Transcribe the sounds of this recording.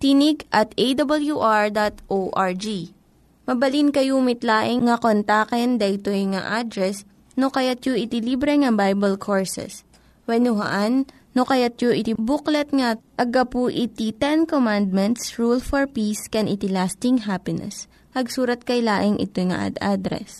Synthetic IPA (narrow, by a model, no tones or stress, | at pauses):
t̪inɪɡʔɐt̪ejd̪ɐbɐljuʔaɹd̪at̪ʔowʔaɹd͡ʒi | mɐbɐlinkɐjumɪt̪laːʔɪŋŋɐkont̪akɛnd̪ɐʔɪt̪ojŋa̰ʔad̪ɾɛs | nokɐjat̪joʔɪt̪ɪlibɾɛŋɐbajbɐlkʰoɹsɛ̰s | wɛnʊɦɐ̰ʔanː | okɐjat̪̚joʔɪt̪ɪbuklɛt̪̚ŋɐʔɐɡapuʔɪt̪it̪ɛnkomand̪̚mɛnt̪sɹulfɔɹpiskɛnʔɪt̪ɪlast̪ɪŋɦapɪnɛ̰s | pɐɡsuːɾɐt̪̚kɐjlaːʔɪŋʔɪ̰t̪ojŋɐ̰ʔa̰d̪ʔad̪ɾɛ̰s